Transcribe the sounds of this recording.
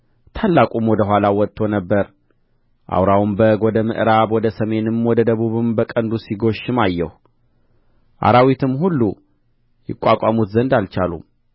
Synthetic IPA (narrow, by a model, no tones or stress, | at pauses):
t̪ʰalːakʼumwɔd̪əɦʷwalawɔt̪ʼːo̞nəbːəɾ | ʔa̰wɾawumbəɡod̪əmɨ̰ʔɾaβwɔd̪əsəme̞nɨmwɔd̪əd̪əβuβɨmbəkʼənd̪usiɡo̞ʃːɪmajːɛ̰h | ʔa̰ɾawit̪ʰɨmhulːu | jɪkʼːakʼamut̪zənd̪alt͡ʃalṵm